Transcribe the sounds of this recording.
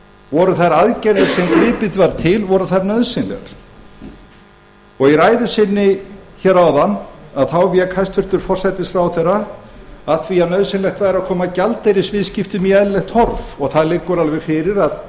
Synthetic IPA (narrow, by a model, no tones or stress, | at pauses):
vɔɾʏθajɾaðcɛɾɛɾsɛmkvɪːpɪt̪vaɾt̪ʰɪlvɔɾʏθajɾnœðsɪnlɛ̰ɾ̥ | ɔɣiɾaːjðʏsɪnːɪçɛɾawðanːaðθawvjɛkʰajst̪fʏr̥t̪ʏɾ̥fɔr̥sajt̪ɪsfɾawθɛrːa | aðθʰviːanœðsɪnlɛxt̪vaːjɾaðkʰɔːmacalt̪ejɾɪsvɪðscɪft̪ʏmiɛðlɛxt̪hɔɾvɔɣθaðlɪkːʏɾalvɛɾfɪɾɪɾað